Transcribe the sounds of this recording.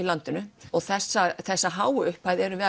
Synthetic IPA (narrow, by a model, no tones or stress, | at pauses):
ilant̪ʏnʏɔɣθɛsːaθɛsːaɦaːwʏhpajðɛɾʏvɛ